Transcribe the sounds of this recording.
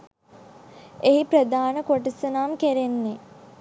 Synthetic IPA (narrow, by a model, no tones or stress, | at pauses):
eɦiprəd̪aːnəkoʈisənaːmkeɾenːe